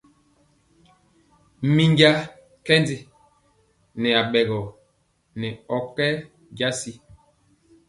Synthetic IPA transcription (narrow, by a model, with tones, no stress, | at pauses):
mi˦ŋɡja˦ | kɛ˦ndi˦ | nɛ˨a˨ɓɛ˨ɡɔ˨ | nɛ˨ɔ˨kɛ˦ | ɟa˦si˦